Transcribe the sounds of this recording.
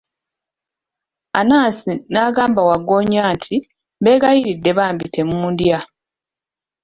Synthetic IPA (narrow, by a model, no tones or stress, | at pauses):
anaːsinaːɡaːmbawaɡːo̞ːɲaːntʰi | be̞ːɡajiɾidːe̞βaːmbitʰe̞muːndja